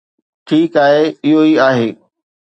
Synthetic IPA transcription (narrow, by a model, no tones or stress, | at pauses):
ʈʰiːkaːɦeɪɦoiaːɦeː